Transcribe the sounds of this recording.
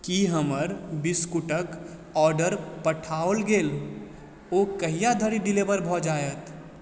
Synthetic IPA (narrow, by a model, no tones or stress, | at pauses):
kiɦəməɾbiskuʈək | ɔːɾɖəɾpəʈʰaolɡeːl | okəɦijad̪ʱəɽiɖilebəɾbʱɔd͡ʒajət̪